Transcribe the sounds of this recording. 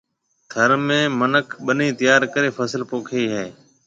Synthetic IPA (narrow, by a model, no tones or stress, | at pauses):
t̪ʰəɾmẽːmənəkʰɓəniːt̪ɪjaːɾkəɾeːfʰəsəlpoːkʰiːɦɛː